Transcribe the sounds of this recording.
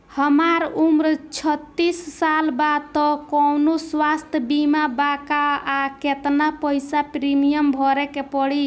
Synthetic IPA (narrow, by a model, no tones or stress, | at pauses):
həmaɾumɾt͡ʃʰət̪ːisːalbad̪̚t̪ɔkɔwnoswast̪ʰbimabakaaket̪napəjsapɾimijəmbʱɔɾɛkepɔɽi